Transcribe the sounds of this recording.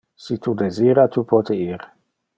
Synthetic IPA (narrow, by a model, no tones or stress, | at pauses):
sit̪ʰud̪eziːɾat̪upɔt̪eiːɾ